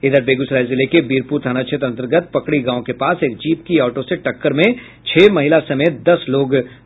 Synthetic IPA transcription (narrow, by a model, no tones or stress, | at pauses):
ɪd̪əɾbeːɡʊsɾaːɪzɪlekebiːɾpuːɾt̪ʰaːnat͡ʃʰet̪ɐ̃nt̪əɾɡət̪̚pɐkɽiɡãːõkepaːseːk̚d͡ʒiːpkiɔːʈoseʈɐkːəɾmẽ | t͡ʃʰeːmɐɦɪlasɐmeːt̪̚d̪ɐsloːɡ